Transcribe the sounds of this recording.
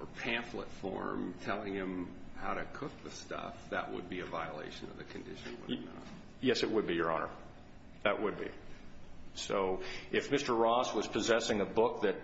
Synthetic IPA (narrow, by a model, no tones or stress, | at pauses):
ə˞pʰæ̃nθlətfɔ̰ɹmtʰɛlˠɪ̃ŋɪ̃mhaʊɾɨkʰʊk̚ðɨstʌ̰fðɨ̰ʔwə̰d̚biɨvaɪəlḛɪʃɨ̃nʌ̰vðɨkʰɨ̃ndɪʃɨ̃nwɨ | jɛsɨʔ̚wəd̚bijə˞ɑnə̰˞ | ðɨʔwəd̚bḭ | soʊʔɪfmɪstə˞ɹɔswʌz̥pʰɨzɛsɪ̃ŋɨbʊk̚ðɨt̚